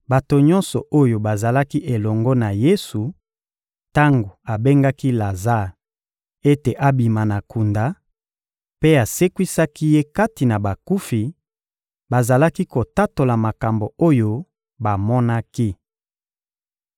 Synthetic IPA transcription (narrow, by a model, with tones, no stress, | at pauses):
ba˨to˨ɲɔ̃˦nsɔ˨ʔo˦jo˨ba˨za˨la˦ki˦ʔe˨lɔ˨ŋɡɔ˦na˨je˦su˨ | ta˦ŋɡo˨a˨be˦ŋɡa˦ki˦la˨za˦˨ | e˦te˨ʔa˦bi˨ma˨na˨ku˨nda˨ | pe˦a˨se˦kwi˦sa˦ki˦je˦ka˦ti˨na˨ba˨ku˦fi˨ | ba˨za˨la˦ki˦ko˨ta˦to˨la˨ma˨ka˨mbo˨o˦jo˦ | ba˨mɔ˦na˦ki˦